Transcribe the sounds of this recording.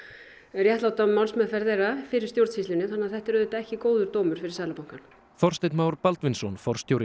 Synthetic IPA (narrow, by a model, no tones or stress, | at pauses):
rjɛht̪lawt̪amawnsmɛðfɛɾðeɾafɪɾɪ̥st̪jowɾt̪sist̪ɪnɪθanːaðθɛht̪ɛɾʏðʏt̪aɛhcɪkoːwðʏɾt̪oːwmʏɾ̥fɪɾɪ̥ɾsaːðlapawŋkan̥ | θɔr̥st̪ɪt̪maːwɾpalt̪vɪnsɔnfɔr̥st̪jowɾɪ